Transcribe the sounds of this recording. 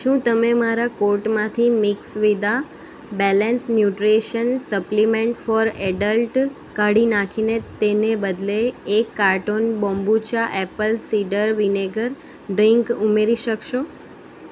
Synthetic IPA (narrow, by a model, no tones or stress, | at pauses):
ʃũt̪əmemaɾakoɾʈmãt̪ʰimɪksʋid̪a | bɛlənsnjuʈɾeʃənsəplimẽɳʈfɔɾɛɖəlʈ | kəɽinãkʰinet̪enebəd̪leːkːaɾʈonbɔ̃mbut͡ʃaʔɛpəlsiɖəɾʋineɡəɾ | ɖɾiŋkumeɾiʃəkʃo